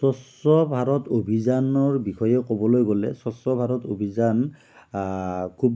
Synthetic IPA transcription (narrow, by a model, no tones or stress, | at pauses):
sɔs | ɔbʱaɹɔtobʱizanɔɹbixʰɔjɛkobɔlojɡolɛ̰sɔsɔbʱaɹɔtobʱizan | kʰub